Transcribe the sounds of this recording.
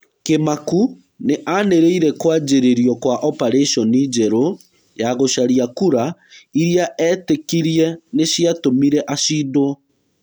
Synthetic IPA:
kemaku | neʔaneɾeiɾɛkwad͡ʒeɾeɾiɔkwaʔɔpaɾeʃɔnid͡ʒɛɾo | jaɣoʃaɾiakuɾaiɾiaʔɛtekiɾiɛneɕiatomiɾɛʔaʃiːdoɔ

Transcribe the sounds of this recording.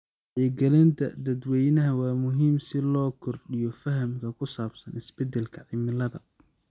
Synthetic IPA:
ʕiːɡɛlɪnt̪ʰɐ̰d̪ɐd̪wɛjnɐɦɐwaːmʊɦiːmsɪlɔːkʰɔrɖɪjɔfɐɦɐmkʰɐkʰʊsaːbsɐnɪsbɛd̪ɛlkʰɐʕɪmɪlɐðɐ̰

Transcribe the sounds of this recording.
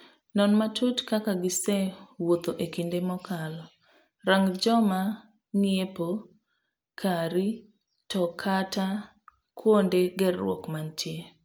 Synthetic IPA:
nɔnmatutkakaɡɪsɛwot̪oʔekindemɔkalɔ | ɾaŋd͡ʒɔma | nijepo | kʰaɾi | tɔkʰata | kwondeɡɛrːwɔ̰kmantje

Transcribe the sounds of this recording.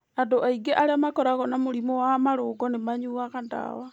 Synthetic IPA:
andoʔaiɡeʔaɾeamakɔɾaɣɔnamoɾimowamaɾoːɡɔnemaɲuaɣanda̰wa

